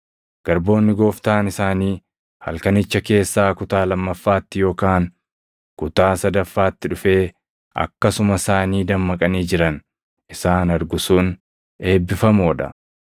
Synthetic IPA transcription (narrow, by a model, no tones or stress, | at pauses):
ɡ̥ɐɾbo̞ːnːɪɡo̞ːft̪aːnɪsaːniː | hɐ̰lkɐnɪt͡ʃːɐke̞ːsːaːkʊt̪aːlɐmːɐfːaːt̪ːɪjo̞ːkaːŋ | kʊt̪aːsɐd̪ɐfːaːt̪ːɪᶑʊfe̞ː | ɐ̰kːɐsʊmɐsaːniːd̪ɐmːɐkʼɐniːd͡ʒɪɾɐn | ʔɪsaːnɐɾɡʊsuːn | e̞ːbːɪfɐmoːᶑɐ̰